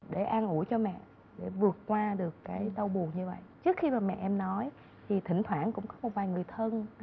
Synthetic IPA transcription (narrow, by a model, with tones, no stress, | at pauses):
ɗe˧˩ʔaː˧nʔu˧˩əjt͡ɕɔ˧mɛ̰˧˨ | ɗe˧˩vɨ˨˩ət̚kwaː˧ɗɨ˨˩əkːaː˨˦jt̪ə˧wɓu˨˩əŋɲɨ˧və̰˧˨jt͡ɕɨ˦˥ək̚xi˧maː˨˩mɛ̰˧˨ʔɛ˧mnɔ˨˦j | t̪ʰi˨˩t̪ʰï˧˩ŋ̟t̪ʰwaː˧˩nkʊ̰˧˥ŋ͡mkɔ˨˦mo˨˩t̚vaː˨˩jŋɨ˨˩əjt̪ʰə˧n